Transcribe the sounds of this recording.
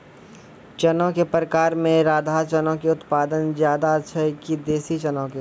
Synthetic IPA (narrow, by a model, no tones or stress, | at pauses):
t͡ʃənõkepɾəkaːɾmẽɾaːd̪ʱaːt͡ʃənõkeʊt̪paːd̪ənzjaːd̪aətːʃʰəkid̪eːsit͡ʃɐnõke